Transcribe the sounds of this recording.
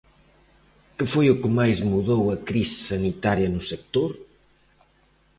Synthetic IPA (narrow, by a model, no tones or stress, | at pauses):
kɨfojukɨmajzmuðowɐkɾissɐnit̪aɾjɐnʊsek̚t̪oɾ